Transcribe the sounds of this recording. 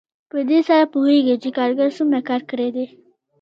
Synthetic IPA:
pəd̪esaɾapuɦeɡit͡ʃekɑɾɡaɾsʊmɾakɑɾkəɽed̪e

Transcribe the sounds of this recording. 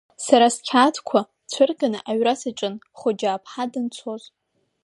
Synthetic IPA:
saɾaskʲʰaːtʰkʷʰa | t͡sʷʰɨrɡʼanɨʔaɥrasaʈ͡ʂʼɨn | χʷʊd͡ʒaːpʰħadɨnt͡sʷʰoz

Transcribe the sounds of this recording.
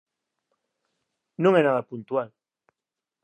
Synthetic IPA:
nõŋɛnaðapunt̪ual

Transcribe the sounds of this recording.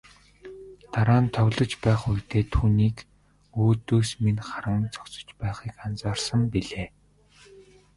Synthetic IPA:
t̪aɾaːnt̪ʰœwʲɮɞ̆t͡ɕpæːχujt̪eːt̪ʰuːniːk | oːt̪oːsminχaɾə̆ŋt͡sɔ̥kt͡sə̥̆t͡ɕpæːχiːkant͡saːrsə̆mpiɮeː

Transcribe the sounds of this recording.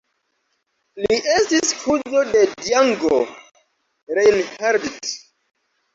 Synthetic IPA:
liʔe̞stishʰuzo̞de̞diaŋɡo | ɾejnhaɾdit

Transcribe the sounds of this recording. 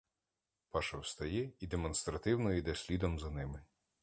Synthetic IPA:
pɑʃɐwst̪ɐjɛid̪emɔnst̪ɾɐt̪ɪwnɔid̪ɛsʲlʲid̪ɔmzɐnɪmɪ

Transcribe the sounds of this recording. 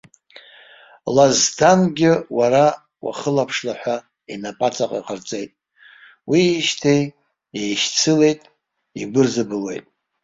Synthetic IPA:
lazdanɡʲɪwaɾa | wa̰χəlapʰʂlaħʷᶣa | inapʼat͡sʼaqʼa̰qərt͡sʼe̞jtʼ | wiːʃtʰej | ejʃt͡sʰɨle̞jtʼ | iɡʷɨrzɨbɨlwe̞̰jtʼ

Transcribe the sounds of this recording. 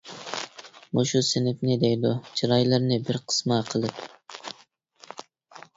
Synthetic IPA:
moʃusɪnɪfnɪd̪ejd̪ut͡ʃʰiɾɑjlˠɨɾnɪbɪɾqʰə̥smɑqʰəlˠɨp

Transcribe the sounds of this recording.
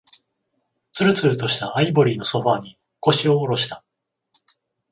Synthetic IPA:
t͡sɨɾɯ̟t͡sɨɾɯ̟t̪o̞ɕi̥t̪aaibo̞ɾʲiːno̞so̞ɸaːɲ̟i | ko̞ɕio̞ːɾo̞ɕi̥t̪a

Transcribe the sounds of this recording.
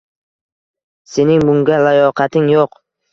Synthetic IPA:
se̞nɪŋbʊŋɡʲalajɒqʰɑt̪ʰɪŋjoq

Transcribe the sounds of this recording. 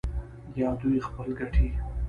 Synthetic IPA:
jɑd̪ujxpəlɡaʈʰi

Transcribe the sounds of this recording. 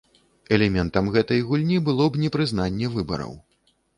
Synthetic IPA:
ɛlʲɛmʲɛnt̪ɐmɣɛt̪ɐjɣulʲnʲibɨlˠɔbnʲɛpɾɨznanʲːɛvɨbɐ̰ɾɐ̰w

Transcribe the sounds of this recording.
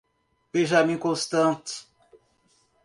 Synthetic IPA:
b̥ẽʒamĩkõst̪ɐ̃t̪

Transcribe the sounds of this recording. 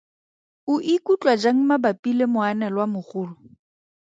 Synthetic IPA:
ʊʔikut͡ɬʼwad͡ʒaŋ̩mabapʼilemʊanɛlwamʊχʊːlʊ

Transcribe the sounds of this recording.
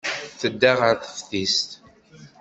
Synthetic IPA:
θəd̪ːaʁəɾθə̥fθist̪

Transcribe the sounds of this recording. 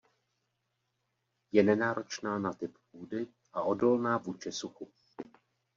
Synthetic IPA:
jɛnɛnaːɾʔo̞t͡ʃnaːnat̪ɪppuːdɪ | ʔaʔo̞do̞lnaːvuːt͡ʃɪsuxu

